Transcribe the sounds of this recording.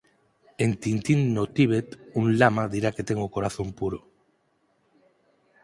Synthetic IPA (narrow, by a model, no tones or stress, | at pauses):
ent̪int̪inːot̪iβ̞et̪uŋlamaðiɾaket̪eŋokoɾaθompuɾo